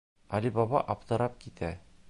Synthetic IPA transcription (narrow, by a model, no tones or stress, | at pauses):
ɒlibɒbɑ̰ʔɒpt̪ɤ̆ɾɑp̚kit̪ʰæ